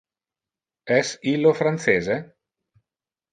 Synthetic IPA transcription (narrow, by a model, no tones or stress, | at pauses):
ɛsilːofɾant̪seːze